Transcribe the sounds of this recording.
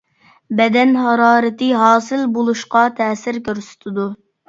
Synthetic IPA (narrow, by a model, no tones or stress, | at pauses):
bɛd̪ɛnɦɑɾɑːɾɨt̪ɨɦɑːsɨlbolˠuʃqɑt̪ʰɛːsɪɾkʲøɾsy̥t̪ʰɪd̪u